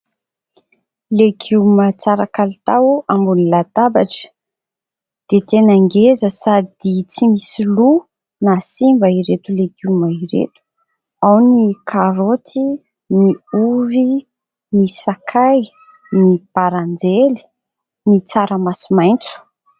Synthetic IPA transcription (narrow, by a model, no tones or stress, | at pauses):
leɡumət͡saɾakalit̪awambunlat̪abaʈ͡ʂə̥ | d̪̥et̪enaŋɡezəsad̪it͡simisilu | nasimbaiɾet̪uleɡumaiɾḛt̪u̥ | awnikʰaɾot̪ʰi | niuvi | nisakʰaj | nipaɾand͡zeli̥ | nit͡saɾəmasimajnt͡su̥